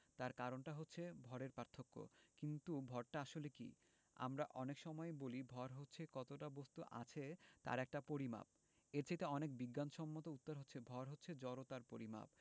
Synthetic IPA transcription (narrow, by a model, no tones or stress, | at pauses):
t̪aɾkaɾonʈaɦotːɕʰebʱɔɾeɾpaɾt̪ʰːokːo̰kint̪ubʱɔɾʈaaʃolekḭ | a̰mɾaʔɔnekʃɔmɔebolibʱɔɾɦotːɕʰekɔt̪oʈabost̪uʔa̰t͡ɕʰet̪a̰ɾɛk̚ʈapoɾima̰b̚ | eɾt͡ɕʰet̪eɔnek̚biɡːanʃɔmːot̪out̪ːaɾɦotːɕʰebʱɔɾɦotːɕʰed͡ʑɔɾot̪aɾpoɾima̰b̚